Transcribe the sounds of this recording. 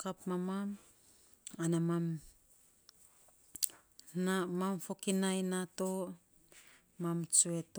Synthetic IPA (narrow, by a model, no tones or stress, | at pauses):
kapmamam | anamam | namamfo̞kinajnato | mamt͡ʃue̞to